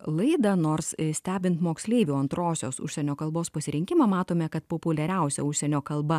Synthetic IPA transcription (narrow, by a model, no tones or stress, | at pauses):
lˠɐɪd̪ɐnoːɾssʲt̪ʲæːbʲɪnt̪moːksʲlʲeːɪʋʲuːɐnt̪ɾoːsʲoːsʊ̰ʃʲsʲɛnʲoːkɐlˠboːspɐsʲɪɾʲɪŋʲkʲɪmɑmɑːt̪oːmʲɛkɐt̪̚poːpʊlʲɛɾʲɛˑʊsʲɛ̰ʊʃʲsʲɛnʲoːkɐlˠbɐ